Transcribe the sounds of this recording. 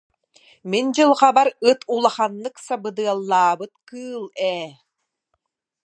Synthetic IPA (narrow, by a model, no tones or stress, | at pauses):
mind͡ʑɯlˠχabaɾɯt̪ulˠaχanːɯksabɯd̪ɯɐlˠːaːbɯt̪kɯːlˠɛː